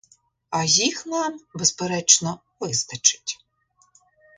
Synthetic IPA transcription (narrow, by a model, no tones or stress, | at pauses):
ɐjixnɑmbespeɾɛt͡ʃnɔ | ʋɪst̪ɐt͡ʃɪ̥tʲ